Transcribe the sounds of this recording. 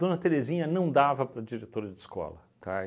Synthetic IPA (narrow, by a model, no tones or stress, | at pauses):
d̥̪õnɐt̪eɾezĩɲɐnɐ̃w̃d̪avɐpɾɐd͡ʒiɾet̪oɾɐd͡ʒɪskɔ̰lɐ̰ | t̪ʰa